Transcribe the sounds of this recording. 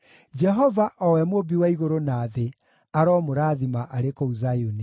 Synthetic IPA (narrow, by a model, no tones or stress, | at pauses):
d͡ʒɛɦɔvaʔɔwɛmwobiwaiɣoɾonaːðe | aɾɔmoɾaːðimaʔaɾekouzajuni